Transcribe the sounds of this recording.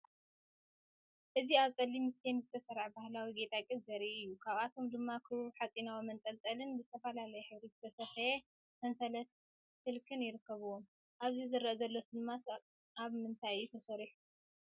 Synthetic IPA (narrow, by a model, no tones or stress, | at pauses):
ʔɨziaβt͡sʼɐlːimɨst̪ʰenzɨt̪ʰɐsɐɾaʕbahlawiɡe̞t̪ʼakʼidzɐɾiʔɨjːukʰaβat̪ʰo̞md̪ɨmːakʰɨβɨβuħat͡sʼinawimɐnt̪ʼɐlt͡s̪ʼɐlɨnbɨzɨt̪ʰɐfɐlalɐjɛħɨβɾiɨt̪ʰɐsɐfɐje | mɐnsɐlɐt̪̚ | sɨlkʰɨnjɪɾɨkːɐβɨwom | ʔaβzizɨɾɐʔɐzɐlːo̞t̪ʰd̪ɨmːa | aβmɨnt̪ʰajjut̪ʰɐsɐɾiħu